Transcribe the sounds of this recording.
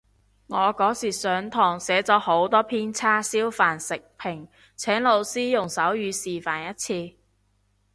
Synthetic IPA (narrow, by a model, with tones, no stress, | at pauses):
ŋɔː˨˧kɔː˨˥siː˨˩sœː˨˧ŋt̪ʰɔː˨˩ŋsɛː˨˥t͡sɔː˨˥ho˨˥wt̪ɔː˥pʰiː˥nt͡sʰaː˥siː˥wfaː˨˩nsɪ˨k̚pʰɪ˨˩ŋ | t͡sʰɛː˨˥ŋlo˨˧wsiː˥jʊ˨˩ŋsɐ˨˥wjyː˨˧siː˨faː˨˩njɐ˥t̚t͡sʰiː˧